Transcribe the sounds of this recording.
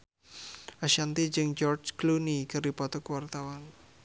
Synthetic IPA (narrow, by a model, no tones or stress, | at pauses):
aʃant̪id͡ʒɨŋd͡ʒɔrt͡ʃklunikəripɔt̪ɔkwart̪awan